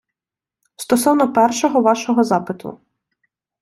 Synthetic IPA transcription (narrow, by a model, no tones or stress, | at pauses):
st̪ɔsɔwnɔpɛrʃɔɦɔʋɑʃɔɦɔzɑpɪt̪ʊ̰